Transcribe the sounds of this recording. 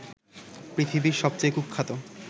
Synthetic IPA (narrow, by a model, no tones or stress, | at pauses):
pɾit̪ʰibiɾʃɔb̚t͡ɕojkuk̚kʰːat̪o